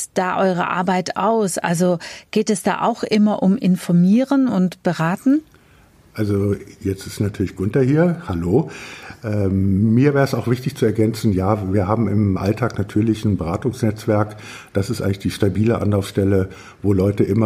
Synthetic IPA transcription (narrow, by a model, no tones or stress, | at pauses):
d̥aːʔɔʏʁ̞ə̰ʔa̰ɐbaɪta̰ʊsʔa̰lzoɡ̥eːtɛsd̥a̰ːʔa̰ʊxʔɪmɐʔʊmʔɪnfɔɐmiːʁənʊntb̥əʁaːtn̩ | ʔalzojɛt͡stɪ̥stnatʰyːɐlɪçɡ̥ʊntɐhiːɐhaloːʔɛːmiːɐveɛːʁəsaʊxv̥ɪçtɪçt͡suɛɐɡɛnt͡sn̩jaːviːɐɦaːbm̩ɪmʔa̰ltʰaːknatʰyːɐlɪçn̩bəʁaːtʊŋsnɛt͡sv̥ɛɐk | d̥asɪstʔa̰ɪŋlɪçd̥iːʃtabiːləʔa̰nlaʊfsʃtɛlə | voːlɔʏtəʔɪmɐ